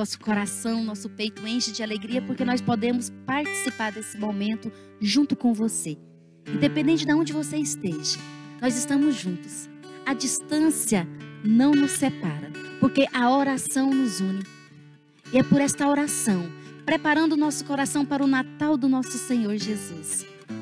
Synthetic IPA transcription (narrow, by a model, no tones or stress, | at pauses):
nɔsʊ̥koɾasɐ̃w̃nɔsʊpejt̪ʊẽʃɪd͡ʒɪaleɡɾiɐpoɾkenɔspod̪ẽmʊspaɾt͡ʃi̥sipaɾd̪esɪmomẽnt̪ʊ | ʒũnt̪ʊkõw̃vose | ẽd̪epẽnd̪ẽnt͡ʃɪd̪ɐõnd͡ʒɪvoseist̪eʒɐnɔzɪst̪ɐ̃mʊzʒũnt̪ʊs | ɐd͡ʒist̪ɐ̃siɐnɐ̃w̃nʊsːepaɾɐpoɾkeʔɐoɾasɐ̃w̃nʊzũnɪ | ɪɛpʊɾɛst̪ɐoɾasɐ̃w̃pɾepaɾɐ̃nd̪ʊːnɔsʊ̥koɾasɐ̃w̃paɾɐʊnat̪awd̪ʊnɔsʊsẽɲoɾʒezus